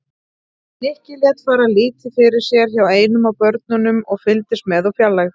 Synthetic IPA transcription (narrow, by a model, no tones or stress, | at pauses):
ɛhcɪljɛːt̪faːɾaliːt̪ɪfɪɾɪɾ̥sjɛɾ̥çaweːjnʏmawpœɾt̪̚nʏnʏmɔɣfɪlt̪ɪst̪mɛðawfjalːax